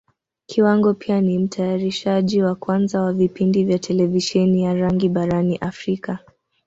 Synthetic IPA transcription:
kʰiwaŋɡɔpʰianim̩tʰajaɾiʃaʄiwakwanzawavipindivjatʰɛlɛviʃɛnijaɾaŋɡiɓaɾaniʔafɾika

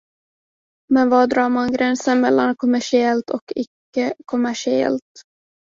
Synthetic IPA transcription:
mɛnvɑːd̪ɾɑːɾmanɡɾɛnsənmɛlːankʰɔmæʂɪɛlt̪ʰɔkʰɪkːəkʰɔmæʂɪɛ̰lt̪

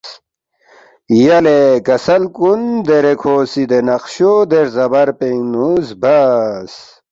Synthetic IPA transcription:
jɐlekɐsɐlkund̪eɾekʰoːsid̪enɐqɕod̪eɾzɐbɐɾpeŋnuzbɐs

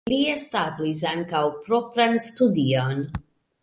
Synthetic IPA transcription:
liestablis̬aŋkawpɾo̞pɾanstudion

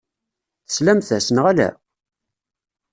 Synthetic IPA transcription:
θə̥slæmθæsənʁælæ̰

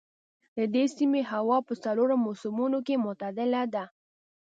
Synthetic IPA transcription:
d̪əd̪esimeɦawɑpəsaloɾomosumunokemʊt̪ad̪ɪlad̪a

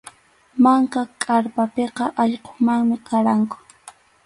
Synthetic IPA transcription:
maŋkakʼaɾpapeqɑʔɑʎqo̥maŋmɪqaɾaŋkʊ̥

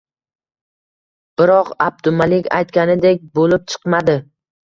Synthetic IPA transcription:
b̥ɪɾɒqab̚d̪ʊmalɪkʲa̰jt̪kʲanɪd̪ekʲbolɪp̚t͡ʃʰɨ̥qmad̪ɪ

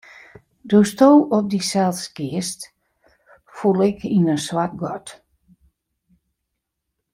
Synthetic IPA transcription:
doəstoːɔp̚disalˠskɪəst | fulˠɪkʰinənswat̚ɡɔt

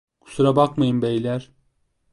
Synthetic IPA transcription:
kʰu̥suɾabakmajɯmbejlʲæɾ̥

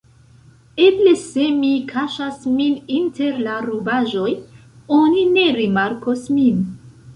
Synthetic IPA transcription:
eble̞se̞mikʰaʃasmininte̞ɾlaɾubaʒo̞j | onine̞ɾimaɾkosmin

